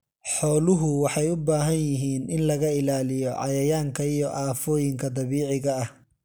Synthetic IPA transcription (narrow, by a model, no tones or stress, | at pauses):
ħɔːlʊɦʊwɑħɑjʊbaːɦɐnjɪɦiːnʔɪnlɐɣɐɪlaːlɪjɔʕɑ̰jɐjaːŋkʰɐijɔʔaːfɔːjɪŋkʰɐd̪ɑβiːʕɪɣɐɐh